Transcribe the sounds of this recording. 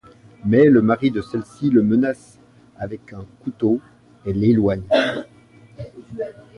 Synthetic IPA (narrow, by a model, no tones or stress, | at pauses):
mɛləmaʁid̪əsɛlsiləmənas | avɛkɛ̃kut̪o | elelwaɲ